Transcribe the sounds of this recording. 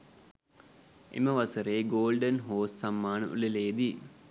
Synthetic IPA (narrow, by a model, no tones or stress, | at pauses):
ʔḛməʋasəɾeːɡoːlɖənɦoːssamːaːnə̰ʔṵleleːd̪i